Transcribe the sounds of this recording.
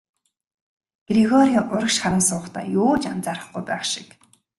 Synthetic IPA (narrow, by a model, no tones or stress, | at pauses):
ɡ̥riɣɔɾiaʔʊɾə̆kʃχaɾə̆msʊːχt̪ʰa̰ːjʊːt͡ɕant͡saːɾə̆χɡujpæːχʃɪ̥k